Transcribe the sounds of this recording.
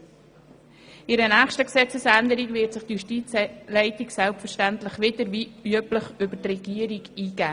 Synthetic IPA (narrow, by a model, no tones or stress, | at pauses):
ɪɾənæːχʃtəksɛt͡səsænd̪əɾiɡvɪtsɪχtjuʃtiːt͡slɛɪtiksɛlpfəɾʃtæntləχʋɪdəɾviyəpləχʏbətrɛɡ̥iəɾiɡiːɡ̥æː